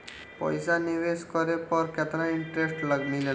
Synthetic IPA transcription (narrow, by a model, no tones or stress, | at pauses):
pə̰jsaniʋeskɔɾepʌɾket̪ɾaiɳʈɾesʈləɡnile